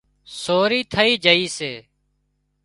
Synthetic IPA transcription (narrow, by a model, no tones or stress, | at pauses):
soːɾiːt̪ʰəiːd͡ʒəiːseː